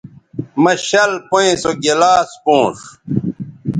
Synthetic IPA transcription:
mɐɕɐlpoẽsoɡelaːspõːʂ

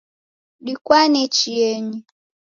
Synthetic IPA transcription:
ɗikwanɛt͡ʃiɛɲi

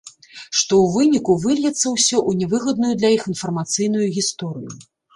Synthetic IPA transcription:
ʂt̪ɔwvɨnʲikuvɨlʲjʲɛt̪sːɐwsʲɔʔunʲɛvɨɣɐd̪nujud̪lʲɐjixinfɐrmat̪sɨjn̪ujuɣʲist̪ɔɾɨju

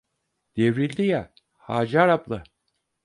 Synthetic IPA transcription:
d̪̥evɾilʲd̪ija | haːd͡ʒaɾaplˠɯ

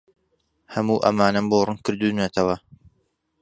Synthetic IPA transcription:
hɐmuːʔɐ̰maːnɐmboːrɨnkɨɾd̪uːnɐt̪ʰɐwɐ

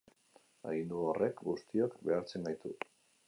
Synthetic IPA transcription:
a̰ɣind̪uorʔe̞kɡust̪iokbe̞aɾt͡se̞ŋɡajt̪u

